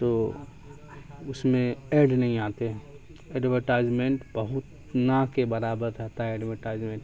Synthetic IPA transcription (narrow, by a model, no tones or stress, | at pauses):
t̪oː | ʊsmẽeːɾɖnɐɦĩaːt̪eɦɛ̃ | ɛːɖʋəɾʈaːɪzmẽɳʈbɐɦʊt̪ | nãkebɐɾaːbəɾɦɛt̪aɦɛɛːɖʋəɾʈaːɪzmẽːɳʈ